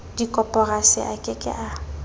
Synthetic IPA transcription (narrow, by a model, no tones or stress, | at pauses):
dikʼɔpʼɔrasɪ̰ʔakʼɪkʼɪ̰ʔa